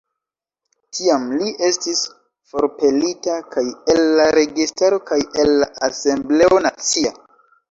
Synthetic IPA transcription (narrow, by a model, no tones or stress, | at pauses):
tʰiamliʔe̞stis | fo̞ɾpe̞litakaje̞lːaɾe̞ɡistaɾo̞kaje̞lːaase̞mble̞o̞nat͡sia